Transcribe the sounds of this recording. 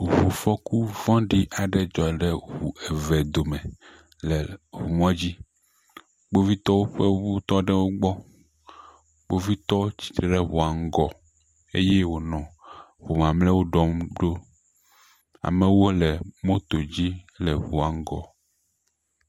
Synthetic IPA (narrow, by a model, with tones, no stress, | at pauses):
ɦo˨fɔ˦ku˦vɔ̃˦ɖi˦ʔa˨ɖɛ˦d͡ʒɔ˨ɖɛ˦wu˨ɛ˨vɛ˨d̪o˨mɛ˨ | lɛ˨ɦu˨mɔ̃˦d͡ʑi˦ | ɡ͡bo˦vi˦t̪ɔ˦wo˦ɸɛ˦wo˦u˦t̪ɔ˦ɖɛ˦wo˦ɡ͡bɔ˦ | ɡ͡bo˦vi˦t̪ɔ˦t͡ɕi̥˨t̪ɖɛ˦ɦo˨a˨ŋ˦ɡɔ˨ | ḛ˦jɛ˦wo˨nɔ̃˨vo˨mã˨mlɛ˦wo˦ɖɔ˦mɖo˦ | a̰˨mɛ˨wo˦lɛ˨mõ˦t̪o˨d͡ʑi˦ | lɛ˨ɦu˨a˨ŋ˦ɡɔ˨